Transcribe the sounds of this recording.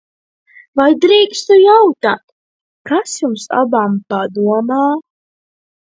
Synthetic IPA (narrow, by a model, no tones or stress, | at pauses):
vajd̪ɾiːkst̪ujawt̪aːt̪ | kasjumsa̰bampad̪uɔmaː